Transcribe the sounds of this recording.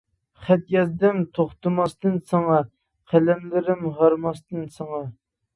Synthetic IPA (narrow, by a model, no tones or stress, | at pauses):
χɛt̪̚jɛzd̪ɪmt̪ʰoχt̪ɨmɑst̪ɨnsɑŋɑ | qʰælɛmlɪɾɪmɦɑɾmɑst̪ɨnsɑŋɑ